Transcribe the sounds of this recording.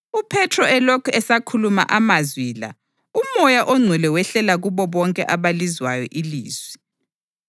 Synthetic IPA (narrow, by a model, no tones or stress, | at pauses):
upʰɛtʰrɔɛlokʰuɛsakʰuluma̰ʔamazwiːla̰ | umɔjaʔoŋ͡ǀʱɛlɛwɛɬɛlaɣuβɔβɔŋkʼɛ̰ʔaβalizwajɔʔilḭːz̥wi